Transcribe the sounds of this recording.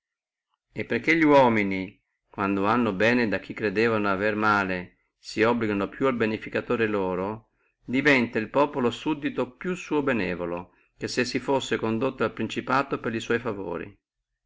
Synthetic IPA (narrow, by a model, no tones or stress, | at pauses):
epːerk̟ːeʎiwɔːmini | kwand̪oanːobɛːned̪ak̟ːikːɾed̪eːvanoavermaːle | siɔbliɡanopjualbenifikat̪oːɾeloːɾo | d̪ivɛnt̪ailpɔːpolosud̪ːit̪opjusːuːobenɛːvolo | kesːesːifosːekond̪ot̪ːoalpɾint͡ʃipaːt̪opeɾliswɔjfavo̰ːɾḭ